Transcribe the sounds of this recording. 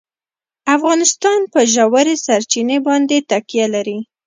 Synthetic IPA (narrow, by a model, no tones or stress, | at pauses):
afɣɑnɪst̪ɑnpəʒawaɾesaɾt͡ʃinebɑnd̪et̪akijalaɾi